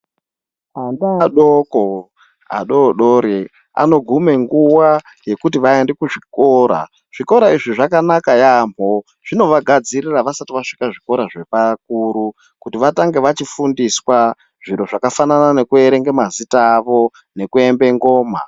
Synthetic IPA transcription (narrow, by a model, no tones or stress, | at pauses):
andaɗoko | a̰ɗoɗoɾe | a̰no̞ɡʱume̞ŋɡuwa | je̞kutiʋaende̞kuʐiko̞ːɾa̰ | ʐ̥iko̞ɾaiʐiʐakanakajamo̞ | ʐ̥ino̞ʋaɡʱad͡ziriraʋasatiʋaʂi̥kaʐiko̞ɾaʐe̞pak̚uɾu | kutiʋataŋɡe̞ʋat͡ʃifundiswa | ʐ̥iɾoʐakafananane̞kue̞ɾe̞ŋɡemazitaːʋo̞ | ne̞kue̞mbe̞ŋɡo̞ːma̰